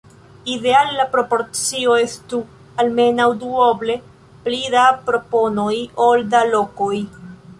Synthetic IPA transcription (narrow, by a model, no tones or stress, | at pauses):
ide̞alːapɾo̞po̞ɾt͡sio̞e̞stu | alme̞nawduoble̞ | plidapɾo̞po̞no̞jo̞ldalo̞ko̞j